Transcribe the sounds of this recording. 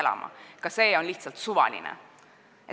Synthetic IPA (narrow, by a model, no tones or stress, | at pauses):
lɑ̰mʔɑ̰kɑse̞ːo̞nliht̪sɑlt̪suvɑ̰lḭnɛ̰ | e